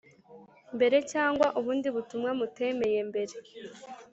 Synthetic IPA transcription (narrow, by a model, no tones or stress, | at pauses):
mbe̞ɾe̞caːŋɡwaʔuβuːndiβutumŋamute̞me̞je̞mbe̞ɾe̞